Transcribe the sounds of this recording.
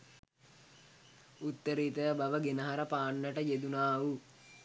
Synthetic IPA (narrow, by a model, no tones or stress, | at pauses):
ut̪ːəɾiːt̪əbaʋəɡenəɦaɾəpaːɳːəʈəjed̪unaːu